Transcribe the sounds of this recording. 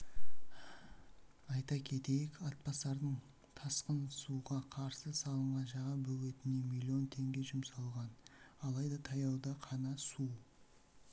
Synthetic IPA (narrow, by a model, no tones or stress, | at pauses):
ɑjt̪ɑkʲʰe̞t̪e̞jɪkɑt̪̚pɑsɑɾd̪əɴ | t̪ʰɑsqənsuʁɑqʰɑɾsəsɑlˠəɴʁɑnʒɑʁɑbɵɡʲe̞t̪ɪne̞milʲːio̞nt̪ʰe̞ŋɡʲe̞ʒʊmsɑlˠʁɑnɑlˠɑjd̪ɑt̪ʰɑjɑwd̪ɑqʰɑnɑsu